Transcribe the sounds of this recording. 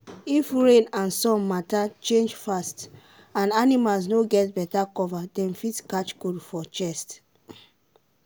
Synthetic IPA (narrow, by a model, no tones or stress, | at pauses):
ifɹẽnãnsɔ̃mmatat͡ʃẽnd͡ʒfast | ãnanimals̬noɡɛtbɛtakɔvadɛ̃nfitkat͡ʃkodfɔt͡ʃɛst